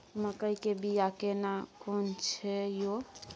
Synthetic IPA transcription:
məkəjkebijakenakont͡ʃʰɛjo

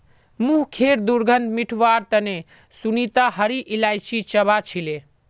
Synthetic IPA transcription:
muɦkʰeɾd̪uɾɡʱənd̪miʈʰʋaɾt̪əne | sunit̪aɦəɾiʔilajsit͡ʃəβat͡ʃʰile

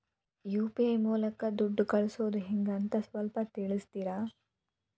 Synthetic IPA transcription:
juːpiɐjmuːlɐkɐd̪uɖːukɐɭusoːd̪uɦiŋɡɐnt̪ɐsʋɐlpɐt̪iɭist̪iɾɐ

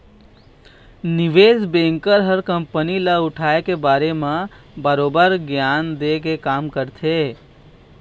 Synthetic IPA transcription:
nɪʋeːzbẽːŋkəɾɦəɾkə̃mpənilaʊʈʰaːekebaːɾemã | bəɾoːbəɾɡjaːnd̪eːkekaːmkəɾt̪ʰe

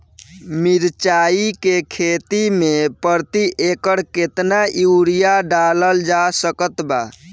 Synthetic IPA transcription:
miɾt͡ʃaikekʰet̪imepəɾt̪iʔekəɽket̪naʔiuɽijaɖaləld͡ʒasəkət̪ba̰

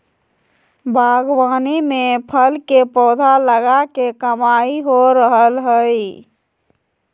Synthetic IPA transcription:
bʱaɡwaːnimepʰəlkepɔːd̪ʱaləɡakekəmaiɦoɾəɦəlɦəj

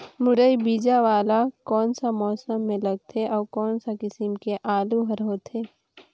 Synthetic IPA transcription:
mʊɽəibiːd͡ʒaʋaːlakɔːnsamɔːsəmːẽlɐɡ̚t̪ʰeʔɔːɾkɔːnsakɪsəmkeʔaːluɦɐɾɦoːt̪ʰeː

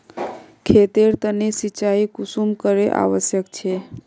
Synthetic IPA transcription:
kʰet̪eɾt̪ənesit͡ʃaikusumkəɾeʔa̰ʋəsjəkt͡ʃʰe

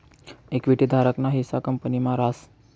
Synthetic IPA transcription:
ekʋiʈid̪ʱaɾəknaɦisakəmpənimaɾas

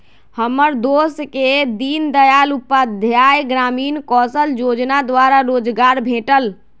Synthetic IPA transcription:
həmːəɾd̪osked̪ind̪əjalupːad̪ʱjajɡɾaminkɔsəld͡ʒod͡ʒnad̪waɾaɾod͡ʒɡaɾbʱeʈəl

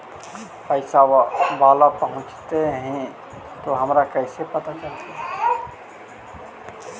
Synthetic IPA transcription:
pəɪsabalapəɦʊ̃t͡ʃt̪eɦɛ̃ | t̪oɦəmɾakəɪsepət̪at͡ʃəlt̪e

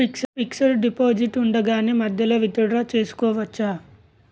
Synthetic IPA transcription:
iksɐmiksɐɾɖipoːd͡ʒiʈuɳɖɐɡaːnimɐd̪ʱjɐlɐʋid̪ɐɽɾaːt͡ʃe̞ːsu̥kɔːʋɐt͡ʃːa

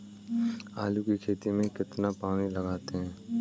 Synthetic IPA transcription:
aːlukikʰeːt̪imẽkɪt̪napaːñilɐɡaːt̪eɦɛ̃ː

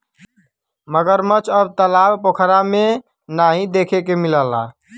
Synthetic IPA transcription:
məɡəɾmət͡ʃʰəb̚t̪əlabpokʰɾame | naɦĩd̪ekʰekemiləla̰

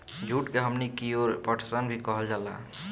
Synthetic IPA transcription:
d͡ʒʱuʈkeɦəmnikioɾpəʈʰsənbʱikəɦəld͡ʒala̰

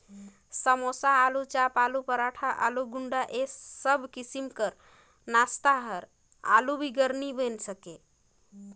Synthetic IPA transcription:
səmosaːlut͡ʃapalupəɾaʈʰaʔa̰luɡuɳɖaʔesəbʱkisimkəɾ | nast̪aɦəɾ | a̰lubʱiɡəɾnibensəke

